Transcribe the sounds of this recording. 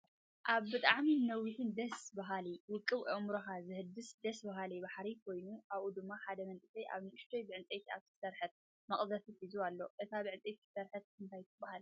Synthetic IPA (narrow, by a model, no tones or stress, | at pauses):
ʔaβbɨt̪ʼaʕminɐwːɨħund̪ɐsbɐɦaliwʊkʼːɨβʔɐmɾoxazɨhɨd̪ɨsd̪ɐsbɐɦalibaħɾikʰo̞jnuʔaβʔud̪ɨmːaħad̪ɐmɐnt̪ʼɨsɐjʔa̰βnɨʔɨʃt̪ʰojbɨʕɨnt͡sʼejt̪ʰia̰βt̪ʰɨsɐɾħɨt̪̚ | mɐχʼd̪ɐt̪ifizualːo̞ʔɨt̪ʰabɨʕɨnt͡sʼejt̪ksɐɾħɨt̪̚kʰɨnt̪ʰajt̪ʰːɨbːahal